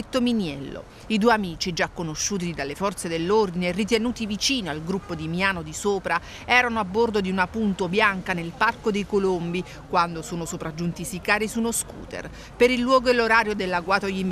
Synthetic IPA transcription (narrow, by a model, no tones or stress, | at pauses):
t̪ːominjɛlːo̰ | id̪ueamiːt͡ʃid͡ʒakːonoʃːuːt̪id̪alːefɔrt̪sed̪elːord̪inerːit̪̬enuːt̪ivit͡ʃiːnialɡɾupːod̪imiaːnod̪isoːpɾa | ɛːɾanoabːord̪od̪iunapunt̪objaŋkanelparkod̪ejkolombi | kwand̪osoːnosopɾad͡ʒːunt̪isikaːɾisunoskṵːt̪ḛr | peɾilːwɔːɡoelːoɾaːɾjod̪elːaɡwaːt̪oʎim